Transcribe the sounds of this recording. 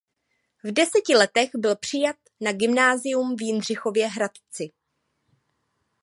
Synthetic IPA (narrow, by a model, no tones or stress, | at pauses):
vdɛsɛcɪlɛt̪ɛɣbɪlpr̝̥ɪjat̪̚naɡɪmnaːzɪjumvjɪnr̝ɪxo̞vjɛɦɾat̪t͡sɪ